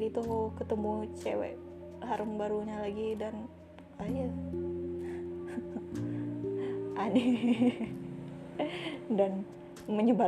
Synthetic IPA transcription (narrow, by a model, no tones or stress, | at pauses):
ɾit̪uɦokət̪əmut͡ʃewɛ̰ʔ | ɦaɾəmbaɾuɲalaɡidan | aja | ʔane | dan | məɲəba